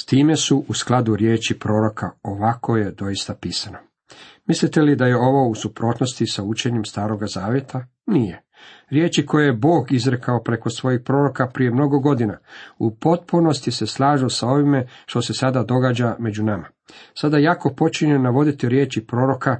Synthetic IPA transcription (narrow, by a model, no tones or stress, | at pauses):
st̪iːme̞suʔusklˠad̪uɾje̞ːt͡ʃipɾo̞ːɾo̞kʰa̰o̞ʋako̞je̞d̪o̞jist̪apiːsano̞ | mislit̪e̞lid̪aje̞o̞ʋo̞usupɾo̞ːt̪no̞st̪isaut͡ʃe̞ɲemst̪aːɾo̞ɡazaːʋje̞t̪ʰa | nije̞ | ɾjeːt͡ʃikʰo̞jejebo̞ːɡizɾekaopɾe̞ko̞sʋo̞jixpɾo̞ːɾo̞kapɾije̞mno̞ɡo̞ɡo̞d̪inaupo̞t̪̚puno̞st̪ise̞slˠaːʒosao̞ʋime̞ʃt̪o̞se̞sad̪ad̪o̞ɡad͡ʑame̞d͡ʑunama | sad̪ajaːko̞po̞t͡ʃiɲenaʋo̞d̪it̪iɾje̞ːt͡ʃipɾo̞ːɾo̞ka